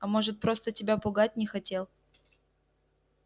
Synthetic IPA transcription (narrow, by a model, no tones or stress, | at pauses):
ɐmo̞ʐɨt̪̚pɾo̞st̪ətʲɪbʲapʊɡat̚ʲnʲɪxɐtʲe̞lˠ